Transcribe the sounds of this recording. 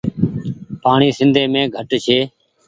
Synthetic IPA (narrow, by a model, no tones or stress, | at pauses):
paːɳiːsɪnd̪ʱeːmẽːɡʱəʈt͡ʃʰeː